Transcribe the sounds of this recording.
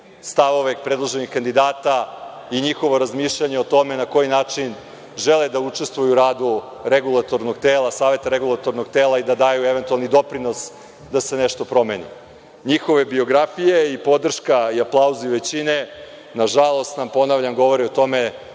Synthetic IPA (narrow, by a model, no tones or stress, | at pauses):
st̪aʋo̞ʋepɾed̪lˠoʒe̞nixkand̪id̪aːt̪a | iɲixo̞ʋo̞ɾazmiʃʎaɲeot̪o̞me̞nako̞jinaːt͡ʂin | ʒeled̪aut͡ʂe̞st̪vujuɾaːd̪u | ɾeɡulˠat̪o̞ɾno̞ɡt̪eːlˠasaːʋe̞t̪aɾeɡulˠat̪o̞ɾno̞ɡt̪eːlˠaid̪ad̪ajueʋent̪ualˠnid̪o̞pɾino̞s | d̪ase̞neʃt̪opɾo̞menḭ | ɲixo̞ʋe̞bio̞ɡɾafije̞ipo̞d̪r̩ʃkaiaplˠauziʋe̞t͡ɕine̞ | naʒalˠo̞st̪nampo̞naʋʎʲamɡo̞ʋo̞ɾiot̪o̞me̞